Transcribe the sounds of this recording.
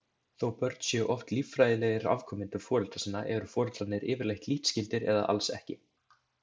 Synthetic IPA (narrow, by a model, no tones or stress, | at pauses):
θowpœɾt̪sjœʔɔft̪livfɾaːjðɪlɛːɣɪɾa̰v̥kʰœːmɪnt̪ʏɾfɔːɾʏlt̪asɪnːaʔɛɾʏfɔːɾʏt̪lanːɪɾɪːvɪɾlajht̪liht̪scɪlt̪ɪɾɛ̰ða̰ʔa̰lsɛ̰hcɪ